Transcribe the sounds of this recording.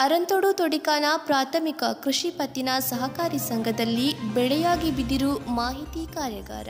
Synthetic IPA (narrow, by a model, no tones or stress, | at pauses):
ɐɾɐnt̪oɽut̪oɽikaːnɐpɾaːt̪ʰɐmikɐkɾuʂipɐt̪ːinɐsɐɦɐkaːɾisɐŋɡʱɐd̪ɐlːibɛɭɛjaːɡibid̪iɾumaːɦit̪ikaːɾjɐɡa̰ːɾɐ̰